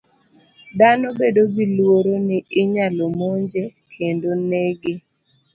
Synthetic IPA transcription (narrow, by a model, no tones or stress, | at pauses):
danobedobilwoɾonɪɪɲalomoɲd͡ʒekʰendoneɡe